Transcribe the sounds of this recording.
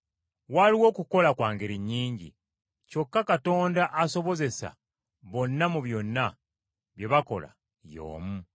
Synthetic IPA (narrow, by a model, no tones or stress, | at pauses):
waliwo̞ːkuko̞lakwaːŋɡeɾiɲːiːɲɟḭ | co̞kːakato̞ːndaʔaso̞βo̞ze̞sa̰ | βo̞nːamuβjo̞nːa | βje̞βako̞̰la̰ | jo̞̰ːmu